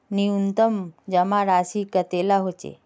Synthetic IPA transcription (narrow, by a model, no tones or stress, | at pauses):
niunt̪əmd͡ʒɐmãɾaːsikət̪elaɦot͡ʃḛ